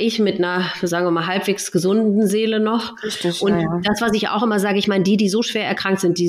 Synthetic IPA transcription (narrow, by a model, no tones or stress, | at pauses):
ʔɪçmɪtnɐzaːɡŋ̩viɪɐmaːlɦalpv̥eːksɡ̥əzʊnddn̩zeːlənɔχ | tɪʊntd̥asv̥asɪça̰ʊxʔɪmɐzaːɡəɪçmaɪnədiːdiːzoːʃv̥eːɐɛɐkʁ̥aŋk̚tz̥ɪnt̚d̥iː